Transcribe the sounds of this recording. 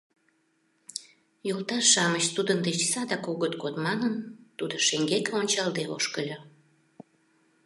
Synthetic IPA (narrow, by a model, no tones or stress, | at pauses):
jolˠt̪ɑʃɑmət͡ɕt̪ud̪ənd̪et͡ɕsɑd̪ɑkoɣət̪ɡot̪mɑnənt̪ud̪oʃeŋɡekeonʲt͡ɕɑlˠd̪eo̰ʃkəlʲo